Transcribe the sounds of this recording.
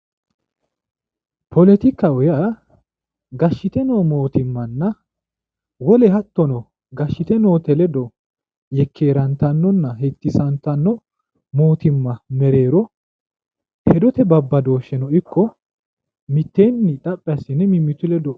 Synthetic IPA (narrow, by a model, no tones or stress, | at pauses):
pʰɔlɛt̪ɪkːɐɔja | ɡɐʃːɪt̪ɛnoːmo̞ːt̪ɪmːɐnːɐ | wɔlɛɦɐt̪ːɔnɔ | ɡɐʃːɪt̪ɛno̞ːt̪ɛlɛd̪ɔ | jɛkʰːe̞ːɾɐnt̪ɐnːɔnːɐɦɛt̪ːɪsɐnt̪ɐnːɔ | mo̞ːt̪ɪmːɐmɛɾe̞ːɾɔ | hɛd̪ɔt̪ɛbɐbːɐd̪o̞ːʃːɛnɔɪkːɔ | mɪt̪ːe̞ːnːɪᶑ̪ʼɐpʼːɪɐsɪnɛmɪmːɪt̪ʊlɛd̪ɔ